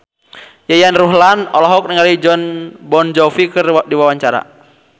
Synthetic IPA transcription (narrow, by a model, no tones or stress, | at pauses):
jajanruɦlanɔlɔɦɔk̚niŋalid͡ʒɔnbɔnd͡ʒɔfikɨrdiwawaɲt͡ʃaɾa̰